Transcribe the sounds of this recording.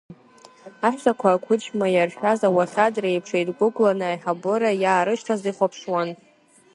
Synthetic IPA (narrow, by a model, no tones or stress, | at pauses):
aħʷᶣzakʷʰaːkʷʰʊt͡ʃʰmajarʃᶣazawaχʲadraejpʰʂejtʼɡʷʊɡʷʼlanɨajħabɨɾajaːɾɨʃtʰaziχʷapʰʂwan